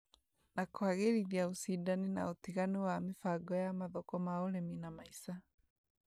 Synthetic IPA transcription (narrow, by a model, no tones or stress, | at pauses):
nakwaɣeliðjausidanina̰otiɣaniwamifaɡɔjamaðɔkɔmaoleminamaisa